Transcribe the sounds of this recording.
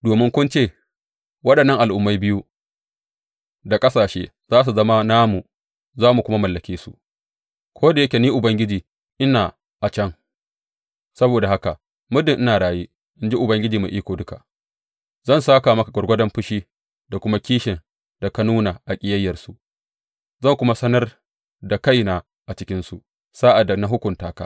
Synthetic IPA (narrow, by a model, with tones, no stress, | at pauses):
doː˨mɪ˦ŋkʷʊ˦nt͡ʃeː˦˨ | wɐ˦ɗɐ˨nːɐ˦ŋʔa˨lʔʊ˨mːa˦jbɪ˦ju˦ | da˨kʼɐ˦saː˨ʃeː˦ | zaː˦s̬u˨zɐ˦ma˦naː˦mu˨ | zaː˦mu˨kʷʊ˦ma˦mɐ˨lːɐ˨kʲeː˦su˨ʔ | kʷʰoː˦da˨jɐ˦kʲe˨niː˦ʔʊ˨bɐ˦ŋɡʲɪ˦d͡ʒiː˨ | ʔɪ˦naː˨ | ʔa˨t͡ʃɐ˦ŋ | sɐ˦boː˨da˨ha˦ka˨ʔ | mʊ˦dɪ˨ŋʔɪ˦naː˨ɽaː˨jeː˦ | ʔɪ˦nd͡ʒi˦ʔʊ˨bɐ˦ŋɡʲɪ˦d͡ʒiː˨mḛ˨ʔiː˦kʷoː˨dʊ˦ka̰˨ | zɐ˦˨nsaː˦ka˨mɐ˦ka˨ɡɐ˨rɡʷɐ˦dɐ˦mɸʊ˦ʃiː˦ | da˨kʷʊ˦ma˦kʲiː˦ʃɪ˨n | da˨ka˦nuː˦na˨ʔa˨kʲʼɪ˦jɐ˦jːɐ˨rsu˨ʔ | zɐ˦˨ŋkʷʊ˦ma˦sɐ˦nɐ˦r | da˨ka˦jna˨ | ʔa˨t͡ʃɪ˦kʲɪ˦nsu˨ | saː˦ʔa˨dːa˨na˨˦ɦʊ˦kʷʊ˨ntaː˦ka̰ː˦